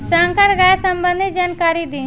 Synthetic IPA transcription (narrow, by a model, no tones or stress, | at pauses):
saŋkəɾɡasɐmbə̃nd̪ʱid͡ʒaːnkaːɾid̪i